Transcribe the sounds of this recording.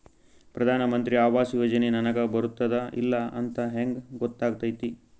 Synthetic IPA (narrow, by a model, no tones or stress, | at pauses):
pɾɐd̪ʱaːnɐmɐnt̪ɾiaːʋaːsjoːd͡ʒɐnenɐnɐɡɐbɐɾut̪ːɐd̪ɐḭlːɐɐnt̪ɐɦeŋɡɡɔt̪ːaːɡ̚t̪ɐjt̪i